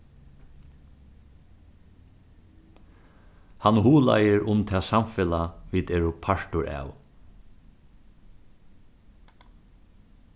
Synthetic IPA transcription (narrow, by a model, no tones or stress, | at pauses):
hanhuːla̰jɪɹʔʊmt̪ʰɛːsamfɪlaʋiːd̪ɛːɹʊpʰaʂtʊɹʔa̰ːw